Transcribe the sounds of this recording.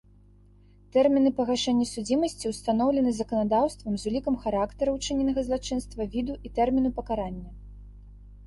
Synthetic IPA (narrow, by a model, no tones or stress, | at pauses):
t̪ɛrmʲinɨpɐɣaʂɛnʲːɐsud͡zʲimɐsʲt͡sʲiwst̪an̪ɔwlʲɛnɨzɐkɐnad̪awst̪vɐmzulʲikɐmxaɾakt̪ɐɾɐwt͡ʂɨnʲɛnɐɣɐzlˠat͡ʂɨn̪st̪vɐvʲid̪uʔit̪ɛrmʲinupɐkaɾanʲːɐ